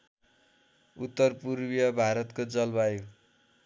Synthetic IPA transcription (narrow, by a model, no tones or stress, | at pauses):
ut̪ːʌrpurbjʌbʱaɾʌt̪kod͡zʌlbaju